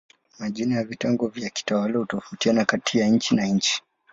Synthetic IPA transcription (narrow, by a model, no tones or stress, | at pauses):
maʄinajavitɛŋɡɔvjaki̥tawalahutɔfutianakatijaɲ̩t͡ʃinaɲ̩t͡ʃi̥